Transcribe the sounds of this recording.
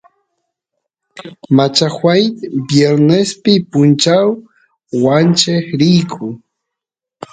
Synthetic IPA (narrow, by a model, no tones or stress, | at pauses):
mat͡ʃaxwajt̪bjeɾnespɪpʊnt͡ʃaw | want͡ʃeχɾɪjkʰʊ